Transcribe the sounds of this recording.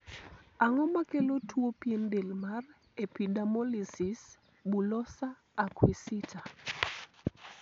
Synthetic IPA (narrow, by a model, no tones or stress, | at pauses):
aŋɔmakelotwopijendelmar | epidamɔlisis | bulɔsa | akwisita